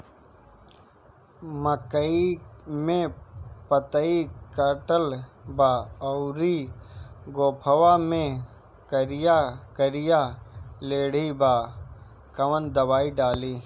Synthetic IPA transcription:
məkəimẽpət̪əikəʈəlbaːɔʊɾiː | ɡoːpʰəwamẽ | kəɾɪjakəɾɪjaleːɽ̤ibaː | kɐʋənd̪ɐwaːiɖaːliː

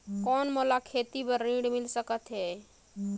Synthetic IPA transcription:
kɔːnmolakʰet̪ibəɾːĩɽmilsəkət̪ɦɛ

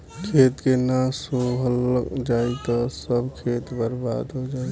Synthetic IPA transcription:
kʰet̪kenasoɦld͡ʒajt̪ɔsəbkʰet̪bəɾba̰d̪ɦod͡ʒaj

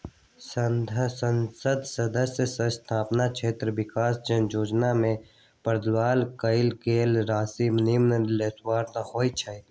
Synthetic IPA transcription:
sənd̪ʱsənsəd̪səd̪əsjəsə̃st̪ʰaːpnat͡ʃʰeːt̪ɾəʋɪkaːsd͡ʒənd͡ʒoːd͡ʒnamẽ | pəɾd̪waːlkəɪlkeːlɾaːsimnimnəlet̪ʰwaːɾt̪ãhoːit͡ʃʰəit̪

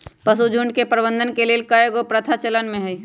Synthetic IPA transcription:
pɐsud͡ʒʱʊɳɖkepɾəbə̃nd̪ʱənkelelkajeɡopɾət̪ʰat͡ʃələnmẽɦɛi

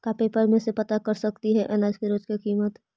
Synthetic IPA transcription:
kapeːpəɾmẽsepɐt̪akɐɾsɐkt̪iɦɛʔɐnaːd͡ʒkiɾoːd͡ʒkekiːmət̪

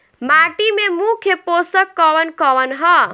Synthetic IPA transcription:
maʈimemukʰjəposəkːɔwənkɔwənɦʌ

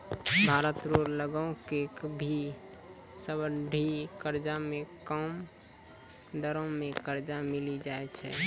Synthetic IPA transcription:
bʱaɾət̪ɾoɾləɡəõkekbʱi | səbəɖʱikəɾd͡ʒamekəm | d̪əɾõmẽkəɾd͡ʒamilid͡ʒaɛt͡ʃʰɛ̰

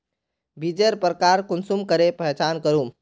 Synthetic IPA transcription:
bid͡ʒeɾpɾəkaɾkunsumkəɾepəɦet͡ʃankəɾu

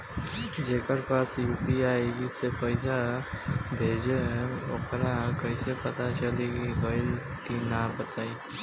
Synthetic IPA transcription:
d͡ʒeːkəɾpaːsjuːpiaːisepəɪsa | bʱeːd͡ʒeo̰kɾakəisepət̪at͡ʃəleɡiɡəɪl | kinãːbət̪aːi

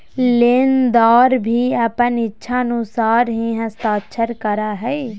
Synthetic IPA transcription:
lɪnd̪aːɾbʱiəpənɪtːʃʰaənʊsaːɾɦĩɦɛ̃st̪aːt͡ʃʰəɾkəɾaɦɛː

